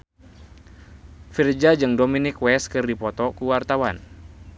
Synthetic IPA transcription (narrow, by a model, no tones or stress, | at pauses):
fird͡ʒad͡ʒɨŋdominɪkwɛskɨrdipɔt̪ɔkuwart̪awan